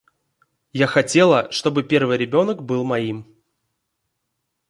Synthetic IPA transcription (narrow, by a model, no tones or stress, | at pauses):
jaxɐtʲe̞lˠəʂt̪o̞bɨpʲe̞rvɨjɾʲɪbʲo̞nəkbɨlˠmɐim